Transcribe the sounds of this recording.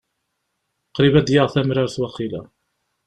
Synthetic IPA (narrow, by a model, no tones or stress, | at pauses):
qɾivæd̪jaʁθæmɾaɾθwæqːila̰